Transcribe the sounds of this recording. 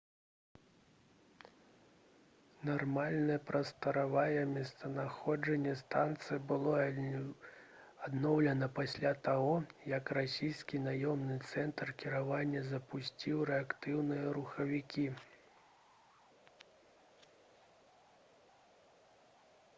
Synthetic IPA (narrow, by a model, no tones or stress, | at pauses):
narmalʲnɐjɐpɾɐst̪ɐɾavajɛmʲɛst̪ɐnaxɔd͡ʐɛnʲːɛst̪ant̪sɨjbɨlˠɔ | ad̪nɔwlʲɐnɐpasʲlʲat̪aɣɔjɐkrasʲijskʲinajɔmnɨt̪sɛnt̪rkʲiɾavanʲːɐzɐpusʲt͡sʲiwɾɛakt̪ɨwnɨjɐɾuxɐvʲikʲi